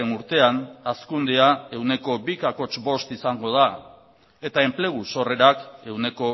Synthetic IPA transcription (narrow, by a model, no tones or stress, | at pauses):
enuɾt̪e̞anaskund̪eae̞wne̞ko̞bikako̞t͡ʃbo̞st̪isaŋɡo̞ð̞a | e̞t̪ae̞mple̞ɣ̞uso̞re̞ɾake̞wne̞ko̞